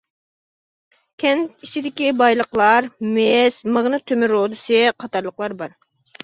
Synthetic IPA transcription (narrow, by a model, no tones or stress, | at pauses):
kʲʰɛnt̪it͡ʃʰid̪ɪkʲibɑjlˠəqlˠɑɾmesməʁnɨt̪ʰømɪɾod̪ɨsɨqʰɑt̪ɑɾlˠəqlˠɑɾbɑɾ